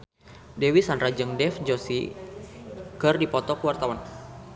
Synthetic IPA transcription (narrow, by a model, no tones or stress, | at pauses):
dɛwisanrad͡ʒɨŋdɛfd͡ʒosḭ | kɨrdipɔt̪ɔkəwart̪awan